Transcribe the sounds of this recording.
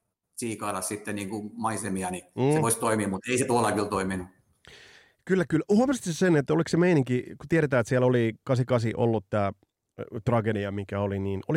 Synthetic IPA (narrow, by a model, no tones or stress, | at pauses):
siːkɑːlɑssit̪ːenniːŋkumɑisemiɑniːseʋoist̪oimimmut̪eiset̪uɑlɑkilt̪oiminu | kylːækyluhomst̪issenet̪ːoliksemeiniŋkiku̥t̪ieɾet̪æːet̪siælolikɑsikɑsiʔo̰lːut̪t̪æː | t̪rɑɡediɑmikæoliniːnoli